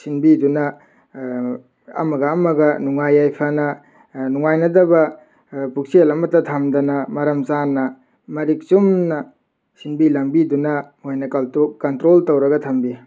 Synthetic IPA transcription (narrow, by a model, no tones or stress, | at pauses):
sinbidunɐ | ɐ̰mɐɡɐːmɐɡɐnuŋajajpʰɐnɐ | nuŋajnɐdɐbɐ | puk̚selɐmɐtɐtʰɐmdɐnɐmɐɾɐmzanːɐ | mɐɾik̚t͡ʃumnɐ | sinbilɐmbidunɐhojnɐkɐltukɐntɾoltɐwɾɐɡɐtʰɐmbi